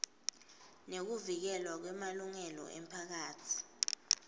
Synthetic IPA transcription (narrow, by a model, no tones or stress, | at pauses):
nek̬uvik̬ɛlwak̬wɛmaluŋɛlɔ̰ʔɛ̰m̩pʰak̬aːtʰi̥